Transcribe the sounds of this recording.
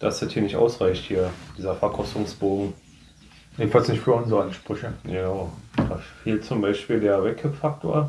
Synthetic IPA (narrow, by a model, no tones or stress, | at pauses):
d̥asd̥ɛthiːɐnɪçtʔa̰ʊsʁ̥aɪçthiːɐd̥iːzɐfɛɐkʰɔstʊŋsb̥oːɡŋ̩ | ʔeːbn̩falsnɪçtfyːɐʊnzʁəanʃpʁ̥ʏçəɡənaʊd̥aːfeːlt̚t͡sʊmbaɪʃpiːldeːɐvɛkʰɛpfak̚tʰo̰ːɐ